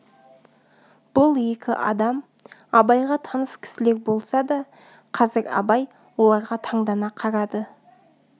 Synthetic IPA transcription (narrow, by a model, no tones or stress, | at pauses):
b̥ʊlˠje̞kʲɪ̰ʔɑ̰d̪ɑm | ɑbɑjʁɑt̪ʰɑnəskʲʰɪ̥sɪle̞kbo̞lˠsɑd̪ɑ | qʰɑzɪɾɑ̰bɑj | wo̞lˠɑɾʁɑt̪ʰɑɴd̪ɑnɑqʰɑɾɑd̪ə